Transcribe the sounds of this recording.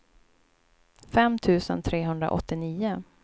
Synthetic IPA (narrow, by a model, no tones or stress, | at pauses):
fɛmt̪ʰʉ̟ːsə̰nt̪ʰɾeːɦɵnd̪ɾa̰ʔɔ̰t̪ːɪniːʊ